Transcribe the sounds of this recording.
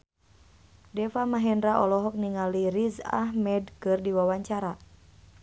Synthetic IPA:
dɛfamaɦɛndɾaʔɔlɔɦɔk̚niŋaliɾiza̰ɦmɛdkɨrdiwawaɲt͡ʃaɾa

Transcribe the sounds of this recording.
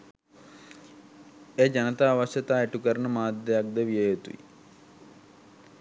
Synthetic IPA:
eːd͡ʒanət̪aːʋaʃət̪aːeʈukəɾənəmaːd̪jəjak̚d̪əʋijəjet̪ṵḭ

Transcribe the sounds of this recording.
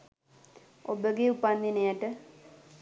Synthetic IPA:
obəɡeupand̪enejaʈə

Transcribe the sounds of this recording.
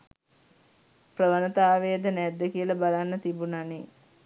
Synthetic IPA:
prəʋənət̪aːʋeəd̪ənæd̪ːəkiəlabalanːət̪ibunane

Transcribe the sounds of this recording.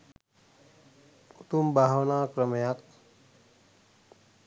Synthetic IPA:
ut̪umbaɦwnakɾʌmjak̚

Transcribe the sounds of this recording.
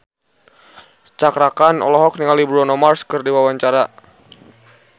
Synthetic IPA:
t͡ʃakɾakanɔ̰lɔɦɔk̚niŋalibɾɔnɔmarskɨrdiwawaɲt͡ʃaɾa

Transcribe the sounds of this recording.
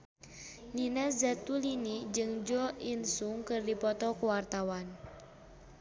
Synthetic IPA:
ninazat̪ulinid͡ʒɨŋd͡ʒɔinsuŋkɨrdipɔt̪ɔkuwart̪awan

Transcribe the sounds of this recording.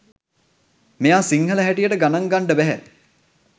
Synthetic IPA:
mejaːsiŋhələɦæʈijəʈəɡanaŋɡaɳɖəbæɦæ̰

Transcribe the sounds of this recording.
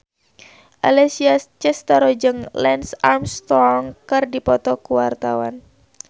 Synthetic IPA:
ʔalɛsiat͡ʃɛst̪aɾɔd͡ʒɨŋlɛnsarmst̪ɔŋkɨrdipɔt̪ɔkuwart̪awa̰n

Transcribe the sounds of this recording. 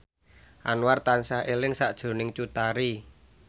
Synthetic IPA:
ʔanwart̪ansahʔelɪŋsaʔd̥ʒ̥o̤nɪŋt͡ʃut̪aɾi

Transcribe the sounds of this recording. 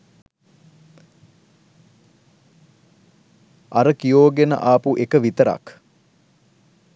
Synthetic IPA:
aɾəkijoːɡenə̰ʔaːpuʔekəʋit̪əɾa̰k

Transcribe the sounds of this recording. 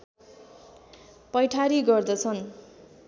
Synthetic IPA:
pʌjʈʰaɾiɡʌrd̪ʌt͡sʰʌn

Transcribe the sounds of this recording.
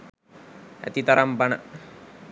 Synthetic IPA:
æ̰t̪it̪aɾɐmpɐnə

